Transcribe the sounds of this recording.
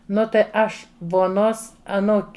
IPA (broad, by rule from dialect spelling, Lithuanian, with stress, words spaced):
ˈnʊ tɐɪ ˈɐʃ ʋoːˈnoːs ɐˈnuːkʲ